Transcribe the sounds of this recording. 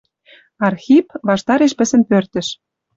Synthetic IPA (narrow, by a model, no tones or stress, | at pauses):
ɑrxʲipβɑʃt̪ɑɾeʃpə̆sə̆npørt̪ə̆ʃ